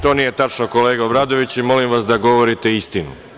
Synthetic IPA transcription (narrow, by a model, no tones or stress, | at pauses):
t̪o̞nije̞t̪at͡ʃnoko̞le̞ːɡaobɾaːd̪o̞ʋit͡ɕimo̞limʋasd̪aɡo̞ʋo̞ɾit̪e̞ist̪inṵ